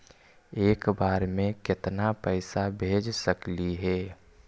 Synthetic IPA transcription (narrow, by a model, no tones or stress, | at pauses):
eːkbaːɾmẽkɪt̪napəɪsabʱeːd͡ʒsəkliɦɛː